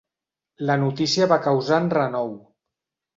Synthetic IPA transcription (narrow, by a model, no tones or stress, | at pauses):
lənut̪isiəβakəwzanrənɔw